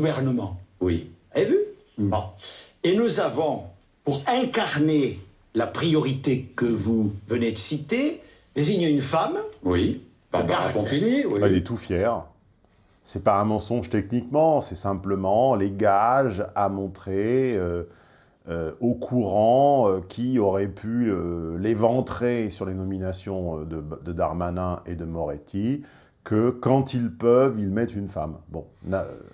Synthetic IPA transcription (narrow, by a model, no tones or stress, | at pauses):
uvɛʁnəmɑ̃wievy | bɔ̃enuzavɔ̃ | puʁɛ̃kaʁne | lapχijɔʁit̪ekəvuvəned̪əsit̪e | d̪eziɲẽynfamwi | baaakɔ̃t̪inibailɛt̪ufjɛʁ | sɛpaɛ̃mɑ̃sɔ̃ʒt̪ɛknikmɑ̃sɛsɛ̃pləmɑ̃leɡaʒamɔ̃t̪χeø | øokʰuʁɑ̃økʲʰiɔʁɛpʰyølevɑ̃t̪χesyʁlenɔminasjɔ̃ød̪əd̪əd̪aʁmanɛ̃ʔed̪əmɔʁet̪ʰi | kəkɑ̃t̪ilpœvilmɛt̪ynfambɔ̃na̰